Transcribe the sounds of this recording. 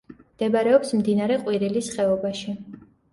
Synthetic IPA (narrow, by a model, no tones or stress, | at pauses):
md̪̥ɛbɾɛɔpsmd̪inaɾɛqʼwiɾilisχɛɔbaʃi